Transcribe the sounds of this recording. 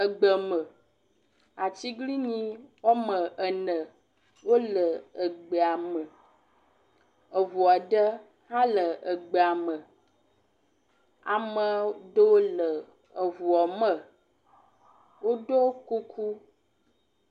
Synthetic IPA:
ə˨ɡ͡bə˨mə˨ | a˨t͡ɕi˦ɡli˦ɲĩ˦wɔ˦mə˨ʔə˨nə˨ | wo˦lə˨ə˨ɡ͡bə˨a˨mə˨ | ə˨vu˨a˨ɖə˦ | hã˦lə˨ʔə˨ɡ͡bə˨a˨mə˨ | a˨mə˨ɖə˦o˦lə˨ | ə˨vu˨ɔ˨mə˨ | wo˦ɖo˦ku˦kʰu˦

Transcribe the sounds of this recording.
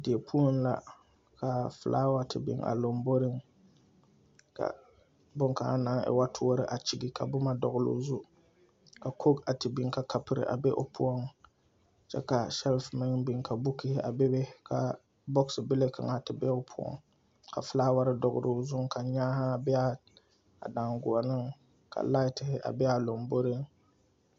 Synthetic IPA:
dɪ˨e˨pʰu˦o˦n˦la̰˨ | ka˨fla̰ː˦wa˦tɪ˨bɪ̰˦ŋʔa̰˨lo˨mbo˦ɾɪ˦ŋ | ka̰˨ | bʊ˦ŋka˨a˦na˨˦ŋɛ̰˨wa˦tʰʊ˦o˦ɾɨ̰˨ʔa˨t͡ʃi˦ɡi˨ka̰˨bʊ˦ma˦dɔ˨ɣʊ˦lʊ̰ː˦zu˦ | ka˨kʰo˦ka˨tɪ˨bɪ˦ŋka˨ka˨pɨ˨ɾɨ̰˨ʔa̰˨bɛ˦ʔo˦˨pʰʊ˦ɔ˦ŋ | t͡ʃɛ̰˦ka˨ʃɛ˦lfmɪ˦ŋbi˦ŋka˨bu˦kɪ˦hɪ˦a̰˨bɛ˦be˦kʰa˨ | bɔ˦ksɨ˨bɪ˦le˦ka̰˨ŋa˨tɨ˨bɛ˦o˦pʰʊ˦ɔ̰˦ŋ | ka̰˨fɨ˦laː˦wa˦ɾɨ˦dɔ˨ɣʊ̰˦ɾo˦zʊ˦ŋka˨ɲaː˦ha˦˨bɛ˦a˦ | a̰˨daː˨ŋɡʊ˨ɔ˨nɨ˦ŋ | kʰa̰˨la˦ɪ˦tɪ˨hɪ˦ʔa̰˨bɛ˦a˨lo˨mbo˦ɾɪ˦ŋ

